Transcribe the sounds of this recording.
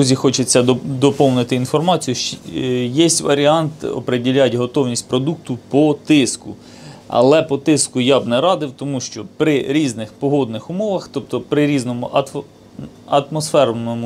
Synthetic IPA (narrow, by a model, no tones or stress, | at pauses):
uzʲixɔt͡ʃɪt͡sʲːɐd̪ɔpɔwnɪt̪ɪinfɔrmɑt͡sʲijuʃjɛsʲtʲʋɐɾʲiɑnt̪ɔ̰pɾedʲilʲːatʲɦɔt̪ɔwnʲisʲtʲpɾɔd̪uk̚t̪ʊpɔt̪ɪskʊ | ɐ̰lˠɛpɔt̪ɪskʊjɑbnɛɾɑd̪ɪwt̪ɔmuʃt͡ʃɔpɾɪɾʲiznɪxpɔɦɔd̪nɪxʊmɔʋɐxt̪ɔpt̪ɔpɾɪɾʲiznɔmʊʔɐ | ɐt̪mɔsfɛɾnɔmʊ